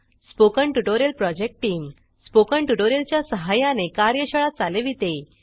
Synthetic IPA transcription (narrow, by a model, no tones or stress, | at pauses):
spokəɳʈuʈoɾjəlpɾɔd͡ʑek̚ʈʈiːm | spokəɳʈuʈoɾjəlt͡ɕjasəɦajãnekaɾjəɕəɭatt͡saleʋit̪e